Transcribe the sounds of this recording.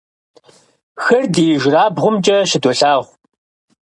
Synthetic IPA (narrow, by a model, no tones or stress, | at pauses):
xɐrdijɪʒraːbʁʷʊmt͡ʃʼɐʃɪdɔɬaːʁʷ